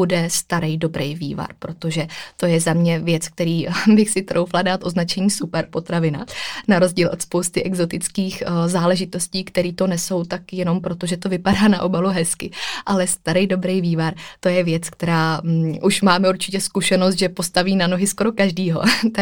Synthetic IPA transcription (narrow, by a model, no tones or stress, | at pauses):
udɛst̪aɾɛjdo̞bɾɛjvḭːva̰ɾpɾo̞t̪o̞ʒɛt̪o̞jɛzamɲɛvjɛt͡sk̚t̪ɛɾiːbɪxsɪt̪ɾʔowfladaːt̪ʔo̞znat͡ʃɛɲiːsupɛɾpo̞t̪ɾavɪna̰naɾo̞zɟiːlʔot̪spo̞wst̪ɪʔɛɡzo̞t̪ɪt͡skiːxzaːlɛʒɪt̪o̞sciːkt̪ɛɾiːt̪o̞nɛso̞wt̪akjɛno̞mpɾo̞t̪oʒɛt̪o̞vɪpadaːnaʔo̞baluɦɛskɪʔalɛst̪aɾɛjdo̞bɾɛjviːvaɾt̪o̞jɛvjɛt͡sk̚t̪ɛɾaːʔuʃmaːmɛuɾt͡ʃɪcɛskuʃɛnos̬t̪ʒɛpo̞st̪aviːnanoɦɪsko̞ɾo̞kaʒdiːɦo̞̰t̪a